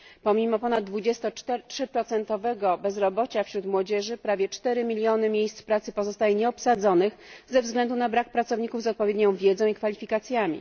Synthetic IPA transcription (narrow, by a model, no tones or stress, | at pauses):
pɔmʲimɔpɔnad̪̚ːvud͡ʑɛst̪ɔt̪ɛtʂɘpɾɔt̪sɛnt̪ɔvɛɡɔbɛzɾɔbɔt͡ɕafɕɾut̪mwɔd͡ʑɛʐɘpɾavʲjɛt͡ʂt̪ɛɾɘmʲilʲjɔnɘmʲjejst̪spɾat̪sɘpɔzɔst̪ajɛɲɛɔpsad̪zɔnɘxzɛvzɡlɛnd̪unabɾakpɾat̪sɔvɲikuvzɔt̪̚pɔvʲjɛd̪ɲɔ̃w̃vʲjɛd̪zɔ̃w̃ikfalʲifʲikat̪sʲjamʲḭ